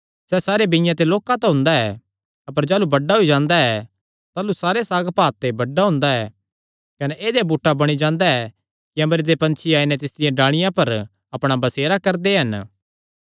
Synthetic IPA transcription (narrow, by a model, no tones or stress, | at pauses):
sɛsaːɾebɪ̃jãt̪̬eloːkãt̪ãɦʊ̃ːnd̪aɛ | ɐpəɾd͡ʒaːlubɐɖaɦoid͡ʒãːnd̪aɛ | t̪aːlusaːɾesaːɡpaːt̪ːebɐɖːaɦʊ̃ːnd̪aɛː | kɐnɛʔeːd̪ebuːʈːabɐɽ̃id͡ʒãːnd̪aɛ | kiɐ̃mbɾid̪epɐ̃nt͡ʃʰiaːinɛt̪ɪsd̪ɪjãɖãːɽ̃ɪjãpɐɾ | ɐpɽ̃abɐseːɾakɐɾd̪eɦɐn